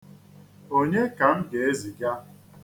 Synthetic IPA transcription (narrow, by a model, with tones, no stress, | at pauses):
o˦ɲe˦ka˨m̩˦ɡe˨e˦zi˨ɡa˦